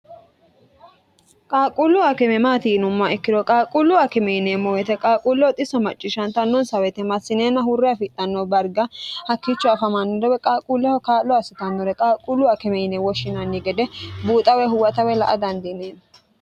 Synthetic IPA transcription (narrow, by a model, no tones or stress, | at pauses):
kʼaːkʼʊlːʊɐkɛmɛmaːt̪iːnʊmːaɛkːɪd̪ɔkʼaːkʼʊlːʊɐkɛmɛjɪnemɔwɛt̪ɛkʼaːkʼulːɔt̪ʼɪsɐmɐt͡ʃʼːɪʃɐnt̪ɐnːɔnsɐwɛt̪ɛmɐsːɪneːnɐɦʊrːɛɐfɪt̪ʼːɐnːobɐɾɡɐhɐkːit͡ʃːɔɐfɐmɐnːɔd̪ɔwɛkʼaːkʼulːɛhɔkaːlːɔɐsɪt̪ɐnːɔɾɛkʼaːkʼːʊlːʊɐkɛmɛjɪnewɔʃɪnɐnːɪɡɛd̪ɛbuːt̪ʼɐwɛɦʊwɐt̪ɐwɛlɐʔɐd̪ɐnd̪ɪneːn